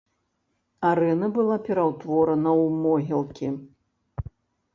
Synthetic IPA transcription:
aɾɛnɐbɨlˠapʲɛɾawt̪vɔɾɐnɐwmɔɣʲɛlˠkʲi

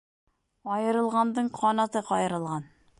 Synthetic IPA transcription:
ɒjɤ̆ɾɤ̆lˠʁɑnd̪ɤɴqʰɒnɑt̪ɤqɒjɤ̆ɾɤ̆lˠʁɑn

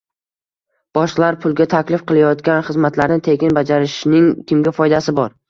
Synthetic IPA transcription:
b̥ɒʃlˠaɾpʰʊlˠɡʲat̪ʰakʲlɪfqɨlˠajɒt̪kʲanχɨzmat̪laɾnɪt̪ʰe̞ɡʲɪnbad͡ʒaɾɪʃnɪŋkʲʰɪmɡʲafɒjd̪asɪbɒɾ

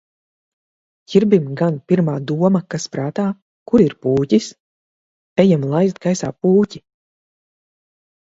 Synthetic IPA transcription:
kiɾbimɡanpʲiɾmaːd̪uɔmakaspɾaːt̪aː | kuɾiɾpuːcis | ɛjamlˠajzt̪ɡajsa̰ːpuːci

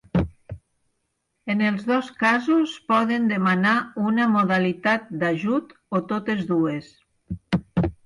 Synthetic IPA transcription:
enelˠzðɔskazuspɔðend̪emanaunamoðalit̪at̪̚d̪aʒut̪ot̪ot̪ezðues

